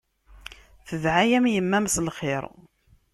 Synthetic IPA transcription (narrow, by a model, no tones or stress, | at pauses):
θəðʕajæmjəmːæmslχɪɾ